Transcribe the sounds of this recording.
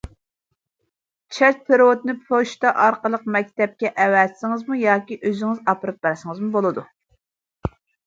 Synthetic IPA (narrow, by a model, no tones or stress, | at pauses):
t͡ʃʰɛt͡ʃ̚t̪ʰeɾwot̪nɨpʰoʃt̪ɑʔɑɾqəlˠəq̚mɛk̚ʲt̪ɛp̚kʲɛʔɛwɛzsɪŋɨzmujɑːkʲiʔøzɪŋɪzɑpɨɾɨp̚bæɾsɨŋɨzmubolˠɨd̪u